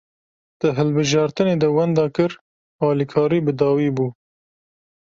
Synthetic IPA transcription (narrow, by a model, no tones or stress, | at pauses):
d̪̥ɨɦɨlbɨʒɑːɾt̪ɨneːd̪ɛwɛnd̪ɑːkɨɾ | ɑːlikʰɑːɾiːbɨd̪ɑːwiːbuː